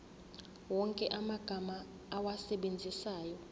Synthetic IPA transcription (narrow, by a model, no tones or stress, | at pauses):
wɔŋkʼɛʔamaɡ̥ʱamaː | wasɛɓend͡zʱisaːjɔ